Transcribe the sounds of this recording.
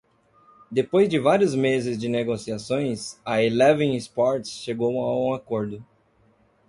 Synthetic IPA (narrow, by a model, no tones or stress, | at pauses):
d̪epojzd͡ʒɪvaɾjʊzmezɪzd͡ʒɪneɡosiasõj̃sɐelɛvẽŋɪspɔɾt͡ʃsʃeɡowaũakoɾd̪ʊ